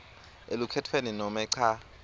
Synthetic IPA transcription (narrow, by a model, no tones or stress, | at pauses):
elukʰɛtʰweninɔmɛǀʰa